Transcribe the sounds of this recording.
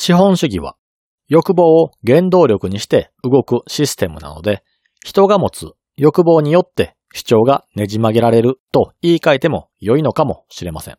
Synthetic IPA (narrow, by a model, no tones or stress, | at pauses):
ɕiɦõ̞ɰ̃ɕɨɡʲiβa̰ | jo̞kɯ̟bo̞ːoɡẽ̞nd̪o̞ːɾʲo̞kɯ̟ɲ̟iɕi̥t̪e̞ | ɯɡo̞kɯ̟ɕisɨ̥t̪e̞mɯ̟̰na̰no̞̰d̪e̞ | çi̥t̪o̞ɡamo̞t͡sɨ | jo̞kɯ̟bo̞ːɲ̟ijo̞t̪ːe̞ | ɕi̥t͡ɕo̞ːɡane̞ʑimaɡe̞ɾaɾe̞ɾɯ̟t̪o̞iːkait̪e̞mo̞̰ | jo̞ino̞kamo̞ɕiɾe̞masḛ̃ŋ̃